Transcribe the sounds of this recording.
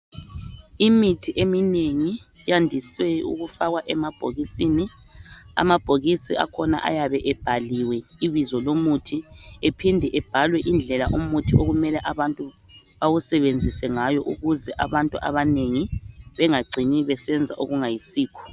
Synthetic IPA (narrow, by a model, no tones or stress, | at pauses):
imitʰiʔemineŋi | jandʱiswɛṵɣufaɣwaʔɛmab̥ʱo̰ɣisini | a̰mab̥ʱoɣisia̰kʰɔna̰ʔa̰jaβɛʔɛb̥ʱaliwɛiβizɔlomutʰiepʰindʱɛʔɛb̥ʱalwɛʔind͡ɮʱɛlaʔumutʰiʔoɣumɛlɛʔaβantʼu | βawusɛβend͡zʱisɛŋajɔʔuɣuzɛʔa̰βantʼuʔa̰βaneŋiβɛŋaɡ͡ǀʱiniβɛsɛnd͡zʱa̰ʔo̰ɣuŋajisiːkʰɔ̥